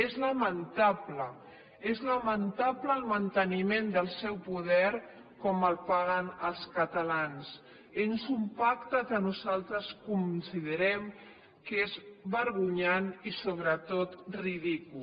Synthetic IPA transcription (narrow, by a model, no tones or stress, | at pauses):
ezləmənt̪aplə | ezləmənt̪apləːlˠmənt̪ənimend̪əlˠsɛwpuðɛɾ | kɔməlˠpaɣənəlˠskət̪əlans | enzumpakt̪əkənuzalˠt̪ɾəskunsiðəɾɛm | kezβəɾɣ̞uɲanisoβ̞ɾət̪ot̪riðiku